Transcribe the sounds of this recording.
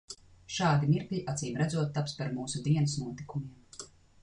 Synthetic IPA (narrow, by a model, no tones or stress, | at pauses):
ʃaːd̪imiɾkʎʲiʔat̪siːmɾad̪zuɔt̪̚ːapspaɾmuːsud̪iɛnɨsnuɔt̪ikumiɛm